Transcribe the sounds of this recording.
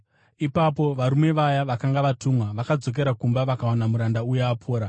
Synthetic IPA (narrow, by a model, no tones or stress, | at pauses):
ipapo̞ʋaɾume̞ʋajaʋakaŋɡaʋatumwaʋakad͡zo̞k̬e̞ɾakumbaʋakawanamuɾandaujeapʰoːɾa